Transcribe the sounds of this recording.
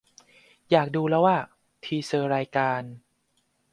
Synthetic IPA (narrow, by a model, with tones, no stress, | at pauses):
jaː˨˩k̚duː˧lɛː˦˥waː˥˩ | t̪ʰiː˧sɤː˧ɾaː˧jkaː˧n